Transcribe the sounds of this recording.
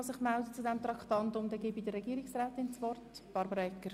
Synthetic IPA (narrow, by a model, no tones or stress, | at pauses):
sɪχmældət͡sud̪ɛmt̪ɾɑkχtɑnt̪ʊmd̥̪ɛɡɪbidərːɛɡiːɾɪksræːt̪ɪnt͡sʋɔrtb̥ɑɾbəɾɑɛkːəɾ